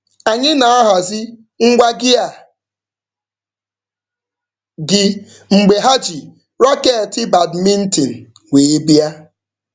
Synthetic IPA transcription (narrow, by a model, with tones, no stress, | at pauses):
a˨ɲɪ˦na˨a˦ɦa˨zɪ˦ | ŋ̩˦ɡʷa˦ɡɪ˦a˨ | ɡɪ˨ | ŋ͡m̩˨ɡ͡be˨ɦa˦d͡ʒi˨ | ɾɔ˦ke˦˨tɪ˦ba˨dmi˦n̩˦ti˨n̩˨ | weː˨e˦bi˦a˦